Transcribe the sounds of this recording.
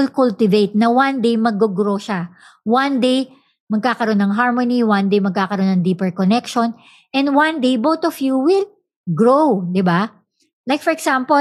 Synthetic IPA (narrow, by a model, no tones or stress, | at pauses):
ɪlkult̪ɪvejt̪̚nɐwand̪ejmɐɡ̚ːoɡɾoʃa | wãnd̪ej | mɐɡ̚kaːkɐɾo̞nɐŋɦaɹmoniwand̪ejmɐɡ̚kaːkɐɾo̞nːɐŋd̪iːpɛɹkonɛkʃon | ʔɛ̃nd̪wand̪ejbowt̪ɔfjuwɪl | ɡɹowd̪ɪba | lajk̚fɔɹɛɡsampo